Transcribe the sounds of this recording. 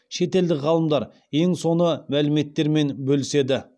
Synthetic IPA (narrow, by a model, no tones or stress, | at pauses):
ʃe̞t̪e̞ld̪ɪʁɑlˠəmd̪ɑɾ | je̞ŋso̞nəmælɪme̞t̪ːe̞ɾme̞nbɵlɪse̞d̪ɪ